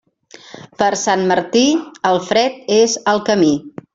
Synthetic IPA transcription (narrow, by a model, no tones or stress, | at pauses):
pəɾsanməɾt̪iəlˠfɾɛt̪̚ezəlˠkəmi